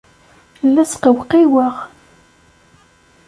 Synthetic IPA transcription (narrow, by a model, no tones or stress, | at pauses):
lːæsqəwqiwəʁ